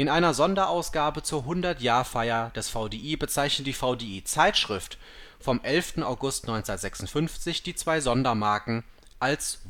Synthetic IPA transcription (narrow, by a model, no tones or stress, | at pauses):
ʔɪnʔaɪnɐzɔndɐʔaʊsɡ̥aːbət͡suːɐɦʊndɐtjaːɐfaɪɐd̥ɛsfaʊdeːʔiːbət͡saɪçnətd̥iːfaʊdeːiːt͡saɪtʃʁ̥ɪft | fɔmʔɛlftn̩aʊɡʊstnɔʏnt͡snɐtz̥ɛksʊn̩tfʏnft͡sɪçd̥iːt͡sv̥aɪzɔndɐmaɐkŋ̩ | ʔals